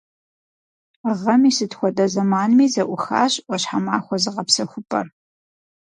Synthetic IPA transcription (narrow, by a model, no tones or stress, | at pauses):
ʁɐmiːsɨtxʷɔdɐzɐmaːnmiːzɐʔʷʊxa̰ːɕʼʔʷɔɕħamaːxʷɔzɨʁɐpsɐxʷʊpʼɐ̰r